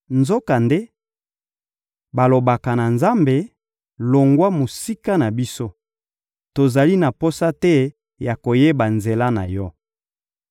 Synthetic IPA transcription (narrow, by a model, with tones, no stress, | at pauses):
nzo˦ka˨nde˦ | ba˨lo˨ba˨ka˨na˨nza˦mbe˨ | lo˨ŋɡwa˦mo˨si˦ka˦na˨bi˦so˦ | to˨za˨li˦na˨po˦sa˦tɛ˦ | ja˨ko˨je˦ba˨nze˨la˦na̰˨jɔ˦